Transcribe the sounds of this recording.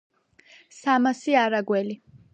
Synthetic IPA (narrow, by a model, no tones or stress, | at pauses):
samasiaɾaɡwɛli